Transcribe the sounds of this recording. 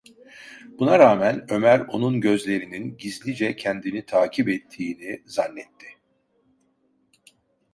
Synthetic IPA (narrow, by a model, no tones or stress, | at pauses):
bunaɾaːmænø̞mæɾo̞nunɟø̞zlʲe̞ɾininɟizlʲid͡ʒɛcʰɛnd̪init̪ʰaːcʰibɛt̪ʰːiːnizanːɛt̪ʰːɪ